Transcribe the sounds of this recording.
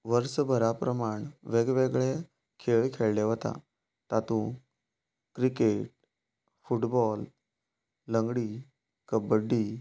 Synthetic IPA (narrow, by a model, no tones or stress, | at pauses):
ʋəɾsbʱəɾapɾəmaɳʋeɡʋeɡɭe | kʰeɭkʰeɭleʋət̪a̰ | t̪at̪ũ | kɾikeʈ̚ | fuʈbɔlː | əŋɡɽi | kəbəɖːi